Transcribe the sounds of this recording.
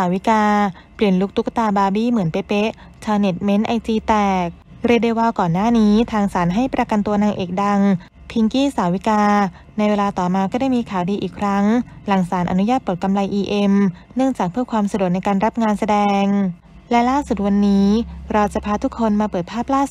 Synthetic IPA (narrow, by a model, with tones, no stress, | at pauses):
a˨˩˦wi˦˥kaː˧ | pli˨˩ənlu˦˥k̚t̪ʰu˦˥k̚t̪aː˧baː˧biː˥˩mɯ˩˦ənpa˧jpe˦˥ | t͡ɕʰaː˧ne˨˩t̪̚me˦˥nʔa˧jt͡ɕ̪iː˧t̪ɛː˨˩k̚ | ɾi˧de˧waː˧kɔː˨˩nːaː˥˩niː˦˥t̪ʰaː˧ŋsaː˩˦nɦa˥˩jpɾa˧ka˧nt̪u˧ɐnaː˧ŋʔeː˨˩k̚da˧ŋ | pʰi˧ŋkiː˥˩saː˨˩˦wi˦˥kaː˧ | na˧jweː˧laː˧t̪ɔː˨˩maː˧kɔː˥˩daː˥˩jmiː˧kʰaː˩˦wdiː˧ʔiː˨˩kʰɾa˦˥ŋla˩˦ŋsaː˩˦nʔa̰˧nu˦˥jaː˥˩t̪̚pɤː˨˩t̪̚ka˧mla˧jʔiː˧ʔe˧mnɯ˥˩əŋt͡ɕaː˨˩k̚pʰɯ˥˩kʰwaː˧msa˧du˨˩k̚na˧jkaː˧nɾa˦˥p̚ŋaː˧nsa˧dɛː˧ŋ | lɛ˦˥laː˥˩su˨˩t̪̚wa˧nːiː˦˥ɾɔː˧t͡ɕa˨˩pʰaː˧t̪ʰu˦˥kʰːo˧nmaː˧pɤː˨˩t̪̚pʰaː˥˩p̚laː˥˩